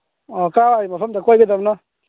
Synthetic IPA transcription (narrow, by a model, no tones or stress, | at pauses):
ɔkawajmapʰɔmt̪akɔjɡɯd̪amnɔ